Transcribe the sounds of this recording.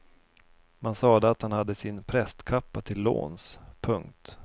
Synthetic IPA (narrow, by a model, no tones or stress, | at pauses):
mansɑːd̪əat̪hanhad̪ːəsɪnpʰɾɛst̪kʰapːat̪ʰɪlːo̰ːnspʰɵŋk̚t̪